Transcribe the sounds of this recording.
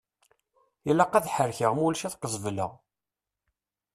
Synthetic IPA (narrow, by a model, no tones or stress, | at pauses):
ilːæqæðħəɾçəʁmulʃæθqəzˤvlə̰ʁ